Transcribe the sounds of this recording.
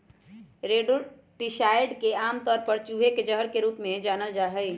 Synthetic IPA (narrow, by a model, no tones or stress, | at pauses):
ɾeɖu | ʈiʃaːɪɖkeaːmt̪ɔːɾpəɾt͡ʃuːɦeked͡ʒəɦəɾkeɾuːpmẽd͡ʒaːnəld͡ʒaːɦəɪ